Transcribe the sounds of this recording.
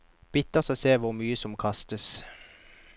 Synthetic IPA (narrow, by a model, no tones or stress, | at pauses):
b̥ɪt̪əʁsoseːʋʊʁmyːəsɔmkʰɑst̪əs